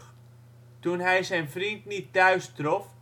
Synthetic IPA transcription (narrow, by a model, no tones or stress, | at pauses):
tunɦɛjsɛjnfrintnitːœɥstrof